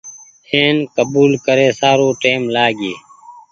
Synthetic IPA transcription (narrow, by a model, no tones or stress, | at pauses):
heːnkəbuːlkəɾeːsaːɾoːʈeːmlaːɡeː